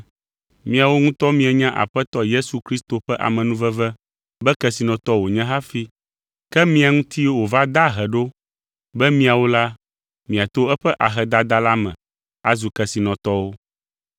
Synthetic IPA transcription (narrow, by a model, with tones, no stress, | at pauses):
mĩ˦a˨wo˦ŋũ˦t̪ɔ˦mĩ˦ɛ˨ɲã˦ʔa̰˨ɸɛ˦t̪ɔ˦je˦su˨kɾi˦st̪o˨ɸɛ˦ʔa̰˨mɛ̃˨nũ˦vɛ˦vɛ˦ | bɛ˦kɛ˨si˨nɔ̃˨t̪ɔ˦wo˨ɲɛ̃˦ɦa˦fi˦ | kɛ˦mĩ˦a˨ŋũ˦t̪i˦wo˨va˦d̪a˦ɦɛ˨ɖo˦ | bɛ˦mĩ˦a˨wo˦la˦ | mĩ˨a˨t̪o˦ɛ˦ɸɛ˦ʔa˨ɦɛ˨d̪a˦d̪a˦la˦mɛ̰̃˨ | a˨zu˨kɛ˨si˨nɔ̃˨t̪ɔ˦wo˦